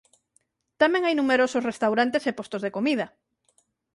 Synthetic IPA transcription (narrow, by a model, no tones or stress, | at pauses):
t̪amɛ̃ŋajnumeɾososrest̪awɾant̪esepost̪ozðekomið̞ɐ